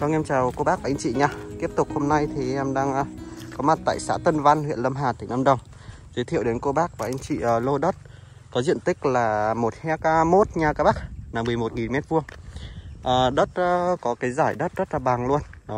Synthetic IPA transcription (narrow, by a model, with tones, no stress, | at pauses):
kɔ˧˦ŋɛ˧mt͡ɕaː˨˩wko˧ɓaː˦˥k̚vaː˨ʔŋ̟t͡ɕḭ˧˨ɲaː˧t̪i˦˥əp̚t̪ʊ˨˩k̚ho˧mna˧jt̪ʰi˨˩ʔɛ˧mɗa̰ː˧ŋə˧kɔ˨˦ma˨˩t̚t̪a̰ː˧˨jsa̰ː˧˥t̪ə˧nva˧nhwḭ˧˨ənlə˧mɦaː˨˩t̪ï˧˩ŋ̟ʔə˧mɗə˨˩wŋ͡m | zə˨˦jt̪ʰi˧˨wɗe˨˦nko˧ɓaː˦˥k̚vaː˨˩ʔa˧jŋ̟t͡ɕḭː˧˨˩lo˧ɗə˦˥t̚ | kɔ˨˦zḭ˧˨ənt̪ï˦˥k̟̚laː˨˩mo˨˩t̚hɛ˧˦kaː˧mo˦˥t̚ɲaː˧˩kaː˧ɓaː˦˥k̚naː˨˩mɨ˨˩əjmo˨˩t̚ŋi˨lmɛ˦˥t̚vu˧əŋ | ʔəː˨˩ɗə˦˥t̚ʔːkɔ˨˦kaː˨˦jzaː˧˩jɗə˦˥t̚zə˦˥t̚laː˨˩ɓa˨˩ŋlu˧ənɗɔ˨˦